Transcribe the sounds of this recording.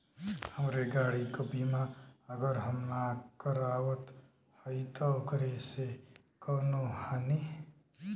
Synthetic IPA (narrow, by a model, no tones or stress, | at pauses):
həmɾeɡaːɽikobimãəɡəɾɦəmnakəɾaːwət̪ | həit̪akəɾese | kəːnohani